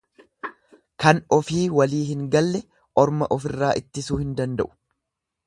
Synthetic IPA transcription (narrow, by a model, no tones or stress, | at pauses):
kɐnɔfiːwɐliːhɪŋɡɐlːɛ | ʔɔɾmɐʔɔfɪrːaːʔɪt̪ːɪsuːhɪnd̪ɐnd̪ɐʔʊ̥